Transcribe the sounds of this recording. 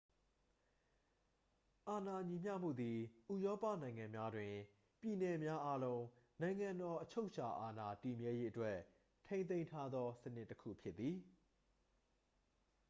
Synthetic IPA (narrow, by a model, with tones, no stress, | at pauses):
ʔa˨na˨ɲi˨m̥jä̰˦˨m̥ṵ˦˨d̪i˨ʔu˨jɔ˦pä̰˦˨nã˨ɪ̃ŋã˨mja˦dwɪ̃˨ | pji˨nɛ˨mja˦ʔa˦lõ˦ʊ̃nã˨ɪ̃ŋã˨ndɔ˨ʔət͡ɕʰo˦ʊʔt͡ɕʰa˨ʔa˨na˨ti˨mjɛ˦je˦ʔətwɛ˦ | tʰẽ˦ɪ̃n̬ẽ˦ɪ̃ntʰa˦d̪ðɔ˦sənɪ˦ʔtːəkʰṵ˦˨pʰjɪ˦t̪ːi˨